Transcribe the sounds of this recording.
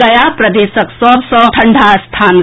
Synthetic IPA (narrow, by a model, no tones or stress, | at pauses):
ɐjapɾɐd̪eːsəksɔːbsɔ̃t̪ʰɐɳɖʱast̪ʰaːn